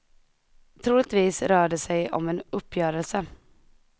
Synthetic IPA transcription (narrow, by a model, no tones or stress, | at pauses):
t̪ʰɾuːlɪt̪viːsɾœːɖəsɛjɔ̰mɛnɵpːjœːɾəlsə